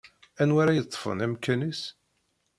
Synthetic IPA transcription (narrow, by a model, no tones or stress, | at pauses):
ænwaɾajət̪ˤːfə̰næmkːænis